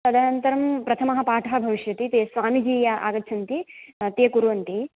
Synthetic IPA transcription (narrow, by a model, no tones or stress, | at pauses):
ɐd̪anɐnt̪ɐɾɐmpɾɐt̪ʰɐmɐɦɐ̆paːʈʰɐɦɐbʱɐʋiʃjɐt̪it̪eːsʋaːmid͡ʒiːjɐʔa̰ːɡɐtːt͡ʃʰɐnt̪it̪eːkuɾʋɐnt̪i